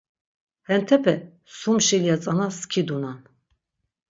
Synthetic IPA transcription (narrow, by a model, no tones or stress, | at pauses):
hɛnt̪ʰɛpʰɛ | sumʃɛlijat͡sʼanaskʰid̪unan